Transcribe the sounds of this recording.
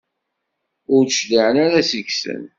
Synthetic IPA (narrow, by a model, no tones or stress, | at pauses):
ʊɾʃliʕnaɾæsiçsə̰n